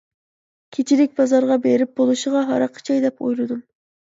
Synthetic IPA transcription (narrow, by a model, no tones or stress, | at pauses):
kʲʰet͡ʃʰiɾɪk̚ʲbɑzɑɾʁɑbeɾɪp̚bolˠuʃəʁɑɦɑ̰ɾɑqʰə̥t͡ʃʰɑjd̪ɛpo̰jlˠɨd̪um